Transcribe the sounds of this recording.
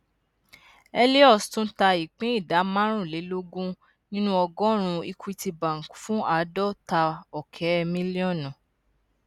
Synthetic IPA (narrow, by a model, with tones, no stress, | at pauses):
ɛ˧li˦ɔ˦˨stũ˦ta˧i˨k͡pẽ˦i˦˨da˨˦mã˦ɾ̃ũ˦˨le˨˦lo˦ɡũ˦ | nĩ˦nũ˦ɔ˧ɡɔ̃˦ɾ̃ũ˧i˧kʰu˧i˧ti˧bã˨ŋ̩˨ku˨˦fũ˦a˧˨˦dɔ˦ta˧ɔ˨kʰɛ˨˦˧mĩ˦li˦ɔ˦˨nɔ̃˨